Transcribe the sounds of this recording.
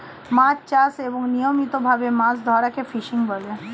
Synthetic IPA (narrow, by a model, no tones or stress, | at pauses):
mãt͡ʃt͡ʃaseboŋnijomit̪obʱabemãsd̪ʱɔɾakefʰiʃiŋɡbəle